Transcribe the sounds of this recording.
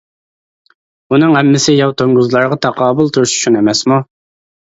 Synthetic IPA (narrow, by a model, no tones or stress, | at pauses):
unɨŋɛmːɪsɪjɑwt̪ʰoŋɡuzlˠɑɾʁɑt̪ʰɑqɑːbʊlˠt̪ʰuɾʃy̥t͡ʃʰunemɛsmu